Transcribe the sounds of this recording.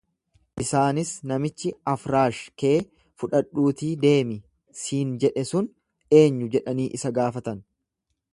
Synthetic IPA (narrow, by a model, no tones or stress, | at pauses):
ʔɪsaːnɪsnɐmɪt͡ʃːɪɐfɾaːʃke̞ː | fʊᶑɐᶑuːt̪iːd̪e̞ːmɪ | siːnd͡ʒɛᶑɛsʊn | e̞ːɲːʊd͡ʒɛᶑɐniːʔɪsɐɡaːfɐt̪ɐn